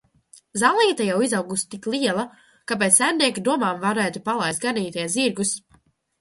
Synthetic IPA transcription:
zalˠniːt̪ajawizawɡust̪iklˠiɛlˠa | kap̬et̪sæmniɛkid̪uɔmaːmvaɾɛːt̪upalˠajsɡaniːt̪ʲiɛziɾɡus

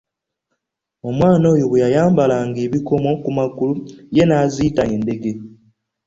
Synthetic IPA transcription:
o̞mwaːno̞ːjoβejajaːmbalaːŋɡeːβiko̞mo̞kumakuluje̞naziːtaeːnde̞ɡe̞

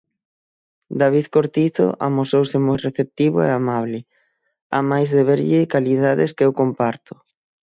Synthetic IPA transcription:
d̪aβ̞iðkoɾt̪iθo̰ʔa̰mosowsɪmojreθep̚t̪iβʊḛamaβ̞lɪ | a̰majzðeβeɾʎɪkaliðaðɪskɛwkompaɾt̪ʊ̥

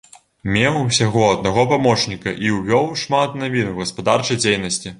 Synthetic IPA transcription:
mʲɛwsʲaɣɔɐd̪̚naɣɔpamɔt͡ʂnʲikɐʔiwvʲɔwʂmat̪navʲinwɣɐspad̪art͡ʂɐjd͡zʲejnɐsʲt͡sʲi

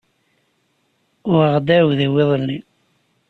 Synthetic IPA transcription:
ʊɾəʁd̪æwðəwɪðˤəlːi

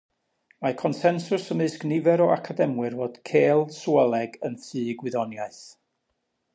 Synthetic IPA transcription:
makʰɔnsɛnsʊsəmɨsɡ̥nɪvɛɾɔakʰadɛmwɨrvoːd̥kʰeːlˠswɛlˠɛɡənθɨːɡwɪðɔnjaɨθ

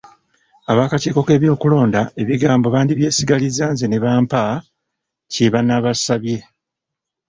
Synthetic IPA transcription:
aβaːkaceːko̞ke̞ːβjo̞ːkulo̞ːndae̞βiɡaːmboβaːndiβje̞ːsiɡalizaːnzene̞βaːmpa | ceβanaβasaβje̞

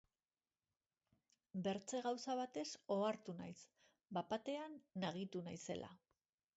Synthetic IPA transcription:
be̞ɾt͡se̞ɣawsaβ̞at̪e̞so̞aɾt̪unajs | bapat̪e̞anːaɣ̞it̪unajse̞̰lʔa̰

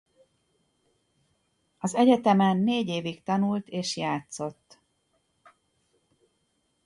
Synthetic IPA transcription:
ɒzɛɟɛt̪ɛmɛnːeːɟeːvikt̪ɒnult̪eːʃjaːt̪so̞t̪ː

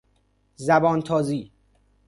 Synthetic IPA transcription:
zæbɒːnt̪ʰɒːziː

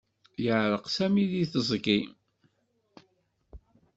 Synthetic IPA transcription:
jəʕɾˤəqsæmiðiθəzˤɡi

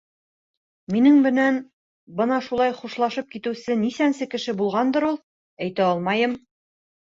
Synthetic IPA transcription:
minɘŋmɘ̆næn | bɤnɑʃulˠɑjχuʃlˠɑʃɤp̚kit̪ɘ̆sɘnisænsɘkɘ̆ʃɘbulˠʁɑnd̪ɤ̆ɾulˠ | æjt̪æɒlˠmɑjɤm

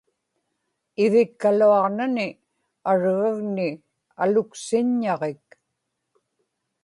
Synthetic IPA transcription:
ɪvɪkːaluɑʁnanɪ | aɻɣaɣnɪ | alʊksɪɲːɑʁek̚

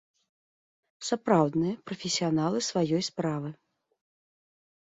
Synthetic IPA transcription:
sapɾawd̪nɨjɐpɾɐfʲɪsʲijanalˠɨsvajɔjspɾavɨ

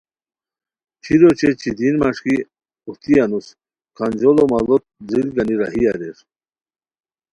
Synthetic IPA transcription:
t͡ɕʰiɾot͡ɕet͡ɕʰid̪inmaʂki | ut̪ianus | kʰand͡ʑolɔmalɔt̪̚d͡zilɡaniɾa̰ɦijaɾeʂ

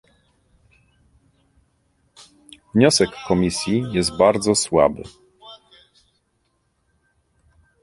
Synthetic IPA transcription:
vɲɔsɛkːɔmʲisʲjijɛst̪̚baɾd̪zɔswa̰bɘ̰

